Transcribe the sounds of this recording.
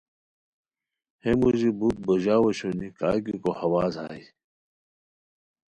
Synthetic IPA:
hemuzibut̪̚boʑaːwoɕunikaːkikohɐwaːza̰ːi

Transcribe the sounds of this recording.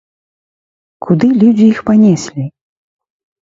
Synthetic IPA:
kʰud̪ɨlʲud͡zʲiixpanʲɛsʲlʲi

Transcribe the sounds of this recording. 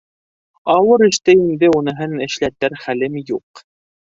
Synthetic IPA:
ɑwɤɾɘ̆ʃt̪ɘjind̪ɘunɤ̆ɦɤnɘ̆ʃlæt̪ːæɾχælɘmjuq

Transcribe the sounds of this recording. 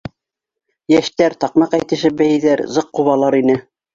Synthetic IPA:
jæʃt̪æɾt̪ɑqmɑqæjt̪ɘ̆ʃɘp̚bæjɘ̆ðæɾzɤqːuβɑlˠɑɾinɘ

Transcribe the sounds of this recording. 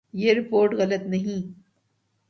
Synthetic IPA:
jeːɾɪpoːɾʈɣɐlət̪nɐɦĩ

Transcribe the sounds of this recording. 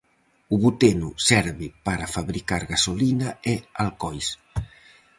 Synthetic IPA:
uβut̪enusɛɾβɪpaɾafaβɾikaɾɣasolinaealkɔjs

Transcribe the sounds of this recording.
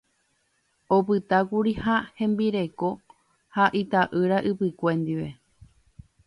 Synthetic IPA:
opɨt̪akuɾihahẽ̞mbiɾe̞ko̞ | haʔit̪aʔɨɾaʔɨpɨkʷẽ̞nd̪iʋe̞

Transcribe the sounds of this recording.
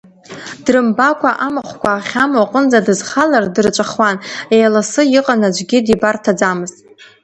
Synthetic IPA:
d̥rɨmbakʷʰaʔamaχʷkʷaːχʲamwaqʼənd͡zadɨzχalardɨrt͡ʃʷʼaχwanejalasɨjiqʼanad͡ʒʷɡʲidibartʰad͡zamɨztʼ

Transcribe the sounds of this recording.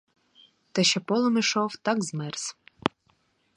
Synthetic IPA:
t̪ɛʃɛpɔlˠɔmiʃɔwt̪ɑkzmɛrs

